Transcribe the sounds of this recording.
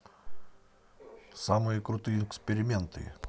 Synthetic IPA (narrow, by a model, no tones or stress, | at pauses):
sɑːmoɪkɾʊt̪ɐjɛksʲpʲɛɾʲɪmʲɛnt̪ɐ̰ɪ